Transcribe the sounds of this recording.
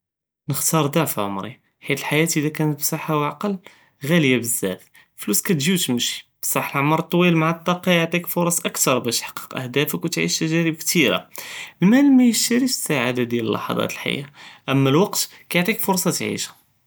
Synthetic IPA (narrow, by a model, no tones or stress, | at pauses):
nəxt̪ɑɾˤd̪aʕfʕo̰mɾḭ | ħit̪əlħajæt̪ʔəd̪ækænət̪bsɑħawʕaqɑl | ɣæljæbəzːæ̰f | fluskæt̪ʒiwt̪məʃi̥bsˤɑħəlʕmɑɾˤt̪ˤːwilmaʕat̪ˤːɑqɑjəʕt̪ˤikfʊɾˤɑsʔəkt̪ɑɾˤbæʃħɑ̥qːə̥qʔə̰hd̪æfəkwt̪ʕḭʃt̪æʒæɾəbkt̪iɾa̰mənmælmæjəʃt̪æɾifə̥sːaʕad̪ad̪jæləlːɑ̰ħɑ̰d̪ˤɑ̰t̪əlħa̰jːæʔæmːælwɑqt̪ | kæjʕt̪ˤikfʊɾˤsˤɑt̪ʕḭʃæ̥